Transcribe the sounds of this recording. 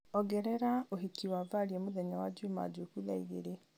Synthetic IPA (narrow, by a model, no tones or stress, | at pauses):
ɔɡɛɾɛɾaoɦikiwavaɾiɛmoðɛɲawad͡ʒuma̰d͡ʒokuða̰ḭɣḛɾe